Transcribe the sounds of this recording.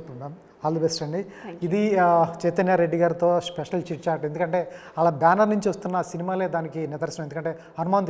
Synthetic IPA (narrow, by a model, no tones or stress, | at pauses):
pːmaːm | aːlubesʈɐɳɖiː | d̪it͡ʃɛjt̪ɐnjɐɾe̞ɖːiɡaːɾit̪o̞ːspeʂɐlt͡ʃiʈt͡ʃaːɾʈe̞nd̪ukɐɳʈe̞ː | ɐlaːbjaːnɐɾnuɲt͡ʃiʋɐst̪unːɐsinimaːle̞ːd̪aːnikinɪd̪ɐɾsɐnɐmend̪kɐɳʈe̞ː | ɐnumaːnt̪